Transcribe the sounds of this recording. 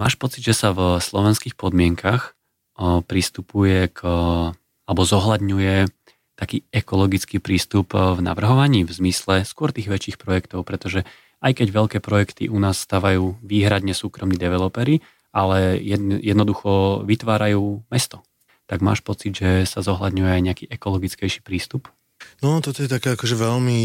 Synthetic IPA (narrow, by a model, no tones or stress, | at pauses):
ma̰ːʃpɔt͡sid̪ʒɛsavslɔʋɛnskiːxpɔd̪mɪɛŋkax | pɾist̪upujɛk | alɛbɔzɔɦlad̪ɲujɛ | t̪akiːɛkɔlɔɡit͡skiːpɾiːst̪upvna̰ʋr̩ɦɔʋaɲiːvzmislɛskʊɔɾt̪iːɣʋɛt͡ʃiːxpɾɔjɛkt̪ɔʊpɾɛt̪ɔʒɛ | ajkɛɟʋɛʎkɛːpɾɔjɛkt̪ḭʔunaːssːt̪aːʋajuːʋiːɦɾad̪ɲɛsuːkɾɔmnid̪ɛʋɛlɔpɛɾi | alɛjɛjɛd̪nɔd̪uxɔʋit̪ʋaːɾajuːmɛst̪ɔ̥ | t̪aɡma̰ːʃpɔt͡sid̪ʒɛsazɔɦlad̪ɲujɛajɲɛakiːʔɛkɔlɔɡit͡skɛjʃi̥ːpɾiːst̪up | nɔt̪ɔt̪ɔjɛt̪akɛakɔʒɛʋɛlmi